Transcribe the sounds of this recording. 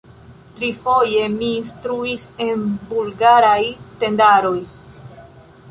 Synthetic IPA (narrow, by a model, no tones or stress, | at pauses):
tɾifo̞je̞miːnstɾuise̞nbulɡaɾajte̞ndaɾo̞j